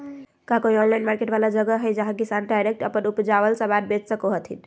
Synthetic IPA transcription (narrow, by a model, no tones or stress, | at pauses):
kakoiɔnlajnmaɾkeʈbalad͡ʒəɡəɦəjd͡ʒaɦãɡisanɖajɾek̚ʈəpənupd͡ʒabəlsə̃bad̪̚bet͡ʃsəkoɦət̪ʰḭn